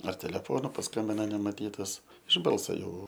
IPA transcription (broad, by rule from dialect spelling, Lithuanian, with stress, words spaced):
ɐr tʲɛlʲɛˈfoːnʊ pɐsˈkɐmʲbʲɪnɐ nʲɛmɐˈtʲiːtɐs ɪʃ ˈbɐlˠsɐ ˈjɛʊ